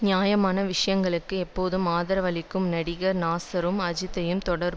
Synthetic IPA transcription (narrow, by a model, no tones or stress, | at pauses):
njaːjɐmaːnɐʋɪʂɐjɐŋɡɐɭɯkːɯɛpːoːðɯmaːðɐɾɐʋɐlɪkːɯmnɐɽɪɣɐɾnaːsɐɾɯmɐd͡ʒɪt̪ːɐjɯmt̪ɔɽɐɾ